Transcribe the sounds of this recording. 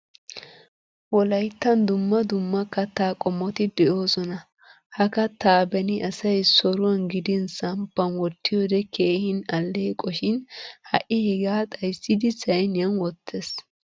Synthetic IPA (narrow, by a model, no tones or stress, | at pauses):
wɔlɐjt̪ːɐnd̪ʊmːɐd̪ʊmːɐkːɐt̪ːaːkʼɔmːɔt̪ɪd̪ɛʔo̞ːsɔnɐ | hɐkɐt̪ːaːbɛnɪʔɐsɐjsɔɾʊwɐnɡɪd̪ɪnsɐmpːɐnwɔt̪ːɪjoːd̪ɛkʰeːhɪnɐlːeːkʼɔʃɪnhɐ̰ʔɪhɛɡaːt̪ʼɐjsːɪd̪ɪsɐjnɪjɐnwɔt̪ʰːes